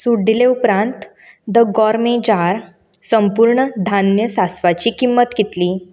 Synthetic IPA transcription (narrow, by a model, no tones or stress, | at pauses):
suɖːileupɾãnt̪ | d̪əɡɔɾmẽd͡ʑaɾ | səmpuɾɳəd̪ʱanjəsasʋat͡ɕiːkimːət̪ɡit̪liː